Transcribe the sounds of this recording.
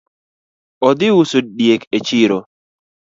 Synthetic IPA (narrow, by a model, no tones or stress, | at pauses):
ɔd̪ɪwusoɗjeket͡ʃiɾo